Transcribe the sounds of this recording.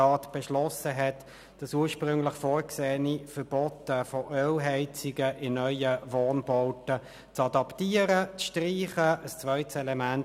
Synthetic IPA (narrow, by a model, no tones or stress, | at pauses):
ɑːtb̥ɛʃlɔsəɦɛt | d̥ɑsuːɐʃpʁʏŋlɪχfoːɹkseːnifəɾb̥ɔtːəfɔʔølɦɛɪt͡sɪɡəʔɪnœʏəvɔːnb̥ɔʊtə | t͡sɑdɑptiːəɾət͡sʃtriːχəəst͡svœʏtsɛlɛmæn